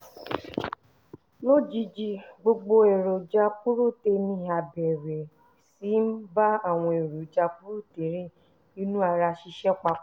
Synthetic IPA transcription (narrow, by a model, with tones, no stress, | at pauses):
lo˦˨d͡ʒi˧d͡ʒi˦ɡ͡bo˧ɡ͡bo˧e˨ɾo˨d͡ʒa˧k͡pu˦ɾu˦˨te˧nĩ˧a˨bɛ˨ɾɛ˨ | si˦m̩˦ba˦a˦˨w̃ɔ̃˧e˨ɾo˨d͡ʒa˧k͡pu˦ɾu˦˨te˨˦ɾe˦˨ | i˦nũ˦a˧ɾa˧ʃi˧ʃɛ˦k͡pa˧˦